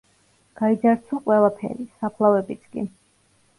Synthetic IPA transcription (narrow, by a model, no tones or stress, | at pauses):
ɡ̥aid̪zaɾt̪sʰuqʼwɛlˠapʰɛ̰ɾisapʰlˠavɛbit̪sʰkʼḭ